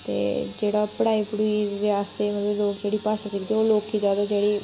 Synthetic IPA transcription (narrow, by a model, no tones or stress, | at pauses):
t̪ḛd͡ʒeːɽapɽaːipɽuiɾeaseməleloːkd͡ʒeːɽipaːʃəkikt̪eoloːkʰːid͡ʒaːd̪ad͡ʒeːɽi